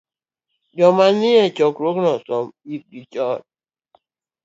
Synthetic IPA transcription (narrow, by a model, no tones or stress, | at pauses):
d͡ʒɔmaniet͡ʃɔkɾoknɔsɔmibit͡ʃɔt̚